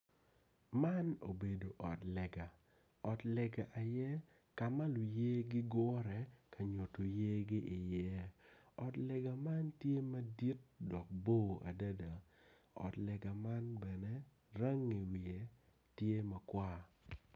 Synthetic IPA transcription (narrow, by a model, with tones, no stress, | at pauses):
ma˦no˨be˨do˨ʔɔ˨tlɛ˨ɡa˨ | ɔ˨tlɛ˨ɡa˨ʔa˨jɛ˦ | ka˨ma˦lʊ˨je˦ɡɪ˦ɡɔ˦ɾɛ˨kʰa˨ɲo˨to˨je˦ɡɪ˦ʔɪ˨jɛ˦ | ɔ˨tlɛ˨ɡa˨ma˦ntje˦mɐ˦di˦t̚dɔ˨k̚bo˦˨a̰˨da˦da˨ | ɔ̰˨tlɛ˨ɡa˨ma˦nbɛ˨nɛ˦ | ɾa˦ŋːi˨wi˨e˨ | tje˦ma˨kwaː˦